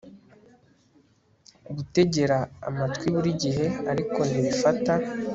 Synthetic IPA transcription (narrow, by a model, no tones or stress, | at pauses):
uβute̞ɟe̞ɾa̰ːmatkwiβuɾiɟiɦe̞aɾiko̞ndiβifata